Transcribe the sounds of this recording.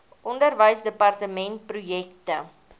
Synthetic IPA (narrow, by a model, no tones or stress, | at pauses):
ʔɔndərvəjsdəpɐrtəmɛnt̚prujɛk̚tə